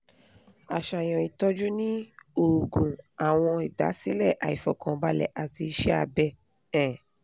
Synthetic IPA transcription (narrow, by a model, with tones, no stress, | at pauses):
a˨ʃa˨j̃ɔ̃˨i˨tɔ˦d͡ʒu˦nĩ˦o˨kũ˨a˨w̃ɔ̃˧i˨da̰˨˦si˦lɛ˦˨ʔa˨i˨fɔ˨kɔ̃˨˧ba˦lɛ̰˨ʔa˨ti˧i˧ʃɛ˦a̰˧bɛ˧ | ɛ̃˨